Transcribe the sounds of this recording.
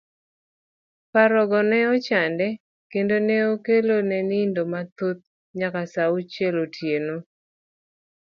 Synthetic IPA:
paɾɔɡɔnɛɔt͡ʃandɛ | kendoneokelonɛnɪndomat̪ot̪̚ | ɲakasaut͡ʃɛlotʰjeno

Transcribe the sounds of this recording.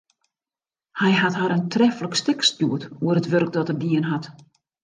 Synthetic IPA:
hɛjɦathaɾəntʰrɛfləkstɪkstjuətuərətʋørk̚dɔtərdiənɦat

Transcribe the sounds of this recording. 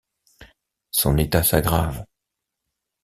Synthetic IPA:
sɔ̃net̪asaɡʁav

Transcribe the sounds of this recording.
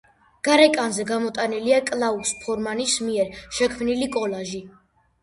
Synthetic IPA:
ɡ̥aɾɛkʼanzɛɡamɔt̪ʼaniliakʼlˠauspʰɔɾmanismiɛɾʃɛkʰmnilikʼɔlaʒi

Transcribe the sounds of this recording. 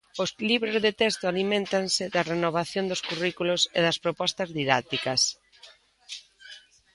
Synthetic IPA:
ʊsliβɾozðet̪ɛst̪ʊalimẽnt̪ansɪdɐrenoβ̞aθjond̪ʊskurikulʊseðɐspɾopɔst̪ɐzðiðat̪ikɐs

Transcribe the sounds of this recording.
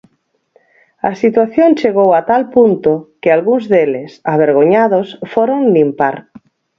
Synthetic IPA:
ɐsit̪waθjõŋt͡ʃeɣ̞owat̪alpunt̪okɪalɣuŋzðelɪsaβ̞eɾɣ̞oɲaðosfoɾoŋlimpaɾ

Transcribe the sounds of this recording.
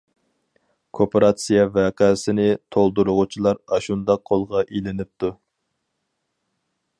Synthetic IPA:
kʰopʰeɾɑt̪sijɑvɛqʰɛsɪnɪt̪ʰolˠd̪uɾʊʁʊt͡ʃʰilˠɑɾɑʃund̪ɑq̚ʰːolˠʁɑʔelɪnɪp̚t̪ʰu

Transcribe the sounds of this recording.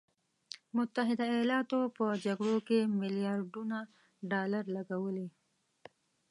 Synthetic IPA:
mʊt̪ːaɦɪd̪ajɑlɑt̪opəd͡ʒaɡɽokemɪlijɑːɾɖuna | ɖɑlaɾlaɡawəli

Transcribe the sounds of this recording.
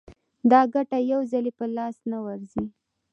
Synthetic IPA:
d̪ɑɡaʈajawzalepəlɑsnawaɾzi

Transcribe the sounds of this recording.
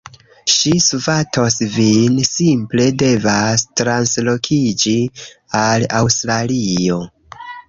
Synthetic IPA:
ʃisuvatʰo̞svinsimple̞de̞vastɾanslo̞kʰid͡ʒialawstɾalio̞

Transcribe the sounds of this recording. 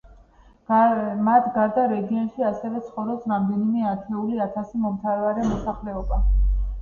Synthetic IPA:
mat̪ʰɡaɾd̪aɾɛɡiɔnʃiasɛvɛt̪sʰχɔvɾɔpsɾamd̪ɛnimɛat̪ʰɛuliat̪ʰasimɔmt̪ʰaɾɛvaɾɛmɔsaχlɛɔba

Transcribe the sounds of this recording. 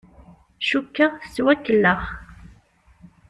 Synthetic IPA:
ʃukːat͡sːwækːəlːəχ

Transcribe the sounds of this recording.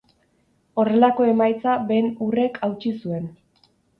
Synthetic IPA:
o̞re̞lako̞e̞majt͡sabe̞ːnure̞kʰawt͡ʃisue̞n

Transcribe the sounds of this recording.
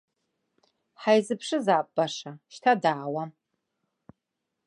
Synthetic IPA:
ħajzɨpʰʂɨzaːp̚ʼːaʂaʃtʰadaːwa

